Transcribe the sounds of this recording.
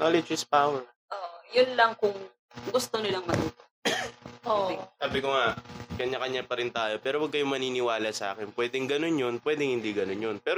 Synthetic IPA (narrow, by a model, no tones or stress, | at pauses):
nolɪd͡ʒɪspawɛɹ | ʔoʔjʊnlɐŋkʊŋ | ɡʊst̪onɪlaŋmɐt̪uːt̪o | ʔoːʔsaːbɪkoŋakɐɲːakɐɲːapɐɾɪnt̪aːjo̞pɛːɾowɐɡ̚kɐjomɐniːnɪwaːlɐsɐʔa̰ːkɪnpwɛːd̪ɪŋɡɐno̞njonpwɛːd̪ɪŋhɪnd̪iɡɐnonjonpɛːɾ